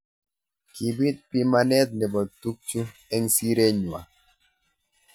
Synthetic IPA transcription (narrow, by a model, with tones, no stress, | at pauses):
ki˨bi˦t̪̚pi˦ma˦nɛ˦t̪̚nɛ˨bɔ˨t̪u˦k̚t͡ʃu˦ɛ˦ŋsi˦ɾe˦ɲwa̰˨